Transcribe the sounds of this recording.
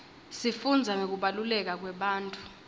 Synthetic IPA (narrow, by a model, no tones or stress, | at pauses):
sifund͡zʱaŋok̬uɓalulɛk̬ak̬wɛɓaːntʼu̥